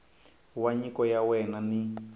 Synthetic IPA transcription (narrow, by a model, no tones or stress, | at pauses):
waɲikɔjawɛnani